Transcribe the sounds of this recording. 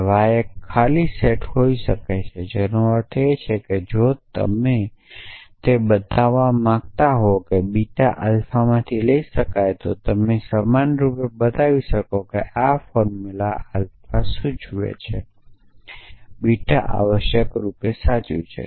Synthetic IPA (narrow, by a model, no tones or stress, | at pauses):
ʋaekʰːaliseʈɦoiʃəkajt͡ʃʰed͡ʒenoəɾt̪ʰet͡ʃʰeked͡ʒot̪ə̰me | t̪ebət̪aʋãmãɡt̪aɦokebiʈaʔəlfamãt̪ʰiləiʃəkajt̪ot̪əmesamanɾupebət̪aʋiʃəkokeʔafɔɾmulaəlfasũd͡ʒʱuḛt͡ʃʰe | biʈaʔa̰ʋəʃjəkɾupesat͡ʃṵ̃t͡ʃʰḛ